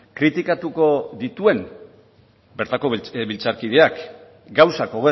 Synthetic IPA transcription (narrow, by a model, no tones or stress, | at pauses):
kɾit̪ikat̪uko̞ðit̪ue̞m | be̞ɾt̪ako̞βilt͡saɾkið̞e̞ak | ɡawsako̞ɣe